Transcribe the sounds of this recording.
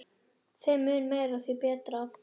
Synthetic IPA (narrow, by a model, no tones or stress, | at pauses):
θɪmʏːnmeːjɾaθipɛːt̪ɾa